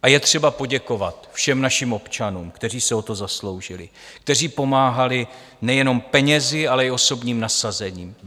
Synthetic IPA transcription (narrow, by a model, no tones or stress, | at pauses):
ʔajɛt̪r̝̥ɛbapo̞ɟɛko̞vat̪fʃɛmnaʃimo̞pt͡ʃanṵːmkt̪ɛr̝iːsɛo̞t̪o̞zaslo̞wʒɪlɪ̰ | k̚t̪ɛr̝iːpo̞maːɦalɪ | nɛjɛno̞mpɛɲɛzɪalɛɪo̞so̞bɲiːmnasazɛɲiːm